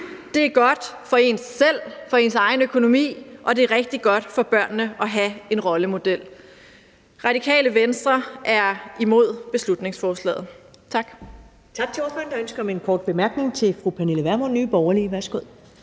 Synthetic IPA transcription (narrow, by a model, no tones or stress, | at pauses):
d̥e̝æɐɡ̥ɒ̽d̥fɒ̽e̝nsːel̰fɒ̽e̝nsɑ̈ɪnøkʰo̝no̝mḭːʔɒ̽d̥e̝æɐʁeɡ̥̚d̥iɡ̥ɒ̽d̥fɒ̽b̥ɶɐ̰nːəʔɒ̽ɦæe̝nʁɒ̽ləmo̝d̥el̰ | ʁɑ̈ɾ̥ikʰɛ̰ːləʋensd̥ʁɐʔæɐimo̝ð̰ˠb̥e̝slud̥ne̝ŋsfɒːslɛ̰ːð̩ˠt͡sʰɑ̈ɡ̥ | t͡sʰɑ̈ɡ̥̚t͡sʰe̝ɒːfɑnd̥ɑ̈ønsɡ̥ɐmenkʰɒːd̥̚b̥e̝mæɐɡ̥ne̝ŋt͡sʰe̝lfʁupʰæneləʋæɐmonnːyːb̥ɒʊɐliːʋæɐsɡ̥oð̰ˠ